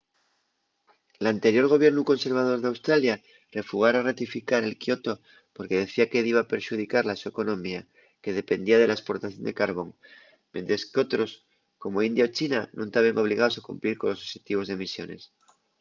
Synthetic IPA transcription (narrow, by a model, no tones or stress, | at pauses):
lant̪e̞ɾjo̞ɾɣ̞o̞β̞je̞ɾnuko̞nse̞ɾβ̞að̞o̞ɾðeawst̪ɾalja | re̞fuɣ̞aɾarat̪ifikaɾe̞lkjo̞t̪o̞ | po̞ɾke̞ð̞e̞θiakeðiβapeɾʃuð̞ikaɾlasueko̞nõmia | ke̞ð̞e̞pe̞nd̪iað̞e̞lae̞spo̞ɾt̪aθjo̞nd̪ekaɾβo̞ŋ | mje̞nt̪ɾe̞skeo̞t̪ɾo̞s | ko̞mo̞ind̪jaot͡ʃinanʔũnt̪aβeŋo̞β̞liɣao̞sakumpliɾko̞nlo̞soxet̪iβ̞o̞zðe̞misjo̞̰ne̞̰s